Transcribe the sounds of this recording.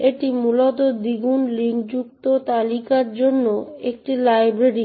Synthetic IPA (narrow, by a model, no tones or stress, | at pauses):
eʈimulot̪od̪iɡunliŋkd͡ʑukt̪ot̪alikaɾd͡ʑonːoek̚ʈilajbɾeɾi